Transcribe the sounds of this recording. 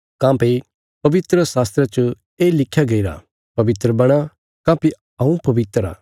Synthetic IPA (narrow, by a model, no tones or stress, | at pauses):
kãːpe | pɐʋɪt̪ɾəsaːst̪ɾet͡ʃə | eːlɪkʰjaɡɐiɾa̰ | pɐʋɪt̪ɾəbɐɽ̃a | kãːpĩ | ũpɐʋɪt̪ɾa̰ː